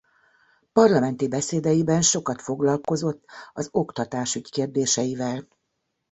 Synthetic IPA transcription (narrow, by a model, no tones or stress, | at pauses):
pɒrlɒmɛnt̪ibɛseːd̪ɛjibɛnʃo̞kɒt̪fo̞ɡlɒlko̞zo̞t̪ːɒzo̞kt̪ɒt̪aːʃyckeːrd̪eːʃɛjivɛl